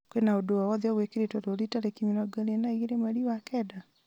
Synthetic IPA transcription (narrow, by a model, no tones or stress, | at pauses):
kwenaodoawɔðjɔɣwekeɾetɔɾoɾitaɾekimiɾɔɡaɾenaiɣeɾemaɾiwakɛːda